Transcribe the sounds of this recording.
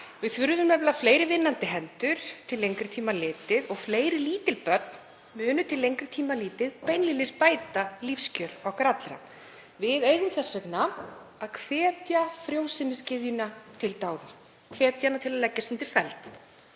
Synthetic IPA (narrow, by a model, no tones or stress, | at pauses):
vɪðθvʏɾðʏmːɛpɛlafleːjɾɪvɪnːant̪ɪɦɛnt̪ʏɾ̥t̪ʰɪlːejŋkɾʏt̪ʰiːmalɪːt̪ɪðɔɣfleːjɾɪliːt̪ɪlpœt̪̚n̥ | mʏːnʏt̪ʰɪlːejŋkɾɪ̥t̪ʰiːmaliːt̪ɪðpɛjnlilɪspaːjt̪alifscœɾ̥ɔwkɾat̪lɾa̰ | vɪðeɥðʏmθɛsːvɛknaaðkʰvɛːt̪jafɾjowsɪmɪscɪðjʏnat̪ʰɪlt̪aːwðʏɾ | kʰvɛːt̪janat̪ʰɪlaðlɛcːast̪ʏnt̪ɪɾ̥fɛlt̪